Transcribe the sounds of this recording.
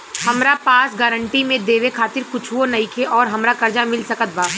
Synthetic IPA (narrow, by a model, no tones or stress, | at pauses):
hɐmɾapaːsɡaːɾəɳʈimẽd̪eːʋekʰaːt̪ɪɾkʊt͡ʃʰʋonɐikʰeʔɔːɾɦɐmɾakɐɾd͡ʒamɪlsɐkət̪̚baː